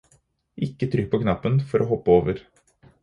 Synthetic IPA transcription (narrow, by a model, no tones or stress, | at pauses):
ʔɪkːət̪ʰɾʏk̚pʰɔkʰnɑpːənfɔɾʔoɦɔpːəoːʋəɾ